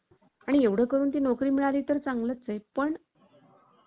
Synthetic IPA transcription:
aɽ̃ieʋɽ̤əːkəɾuːnt̪iːnokɾiːmiɭaliːt̪əɾt͡saŋɡlət̪t͡səjpəɳ

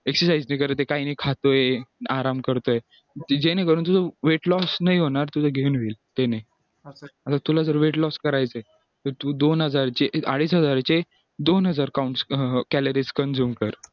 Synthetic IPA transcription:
eksəɾsaid͡znəikəɾət̪ekainikʰat̪ojeaɾamkəɾt̪oje | d͡ʑenekəɾuːnt̪̬ud͡zəʋeʈlɔsnaijɦoɽ̃aɾt̪ud͡zəɡʱeunʋiːlt̪ene | at̪at̪ulad͡zəɾʋeʈlɔskəɾajt͡səj | t̪əɾt̪uːd̪onɦəd͡zaɾt͡ɕeaɽiːs̬ɦəd͡zaɾt͡ɕe | d̪onɦəd͡zaɾkauɳʈskæləɾiskənd͡zuːmkəɾ

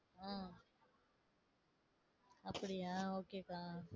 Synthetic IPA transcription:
ɦãː | əpɽiːɦãoːkeːkaː

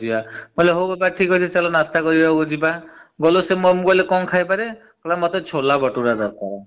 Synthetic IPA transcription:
ibamɔjleɦowbabaʈʰikɔsʰisalɔnast̪akɔɾibaɡod͡ʒibaɡɔlosemomukɔlekɔŋkʰajpaɾe | kɔlamɔt̪ɔt͡ʃʰolabɔʈuɾadɔkɔ

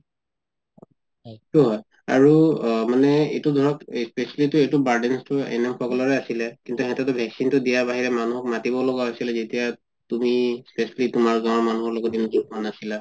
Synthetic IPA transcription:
tuɦɔj | a̰ɹumanɛetudʱɔɹɔkspesalitʊetubaɹdɛnstʊɛ̰nɛmkʰɔkɔlɔɹɛasilɛkintuɦɛtɔtʊbʱɛksintʊdijabaɦiɹɛmanuɦɔk̚matibɔlɔɡaɦojsilɛzetija | tumispesalitumaɹzamanuɦɔɹloɡɔdinɔzukɔanasila

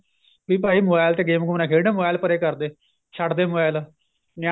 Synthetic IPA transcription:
biːp̬aːiːmoːbaːɪlt̪eːɡeːmɡʊmnaːkʰeːɽnẽːmoaːɪlpəɾeːkəɾd̪eː | t͡ʃʰəʈd̪eːmoaːɪl | na

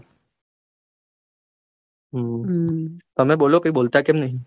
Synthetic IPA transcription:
ɦ | t̪ɔmẽboːlokəiboːlt̪akẽːmnəɦĩ

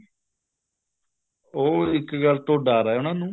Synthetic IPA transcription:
oːɪkɡəlt̪oːɖaːɾaːɛʊnãːnũː

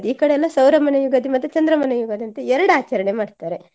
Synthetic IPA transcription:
d̪iiːkɐɽeɛlːɐsɐwɾɐmɐnɐjuɡɐd̪imɐt̪ːut͡ʃɐnd̪ɾɐmɐnɐjuɡɐd̪ɐnt̪eɛɾɐɽaːt͡ʃɐɾɐɳemaːɽt̪aːɾe

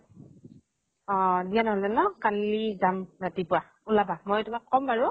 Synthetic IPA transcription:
ɔdianɔɦɔlzɛnɔkalːizamɹatipʊwa | ulabamojtʊmakːɔmbaɹʊ

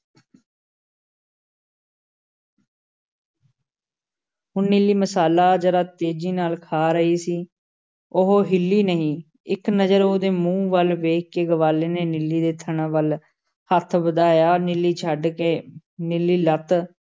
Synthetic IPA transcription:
ɦʊnːɪlːiːməsaːlaːd͡ʒəɾaːt̪eːd͡ʒiːnaːlkʰaːɾəiːsiː | ʊɦoːɦɪlːiːnəɦĩː | ɪknəd͡ʒəɾoːd̪eːmũːʋəlʋeːkkeːɡəʋaːleːneːnɪlːiːd̪eːt̪ʰəɳaːʋəl | hət̪ʰbəd̪aːjaːnɪlːiːt͡ʃʰəɖkeː | nɪlːiːlət̪

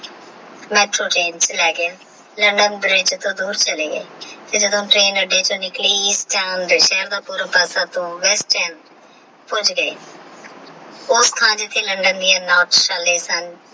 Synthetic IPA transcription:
mɛːʈɾoːʈeːnt͡ʃlɛːɡea | ləɳɖənbɾɪd͡ʒt̪õːd̪uːɾt͡ʃəleːɡḛːt̪eːd͡ʒəd̪õːʈɾeːnʋəɖeːt͡ʃõːnɪkliːiːsʈaːnd̪eːʃɛːɾd̪aːpuːɾaːpɛːsaːt̪õːʋɛsʈɛːm | pʊd͡ʒɡəeː | ʊst̪ʰãːd͡ʒɪt̪ʰːeːləɳɖənd̪ijaːnaːʈʃaːlːeːsən

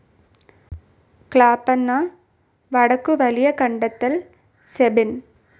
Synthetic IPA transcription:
kɭaːpːɐnːaː | ʋɐɽɐkːɯʋɐlɪjɐkɐɳɖɐt̪ːɐl | sɛbɪn

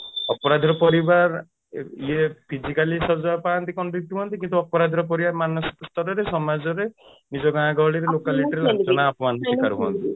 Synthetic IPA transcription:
ɔpɔɾad̪ʱɔɾɔpɔɾibaɾ | iepʰid͡ʒikalisɔd͡ʒajɔpaant̪ikɔɳʈɾik̚ʈbɔnt̪̬ikint̪uɔpɔɾad̪ʱɔɾɔp̬ɔɾibamanɔsi̥kɔst̪ʰɔɾɔɾesɔmad͡ʒɔɾe | nid͡ʒɔɡããɡɔɽiɾelokaliʈɔɾelɔt͡ʃɔnaːpɔmand̪ɔsikaɾubɔɔ̰nt̪i

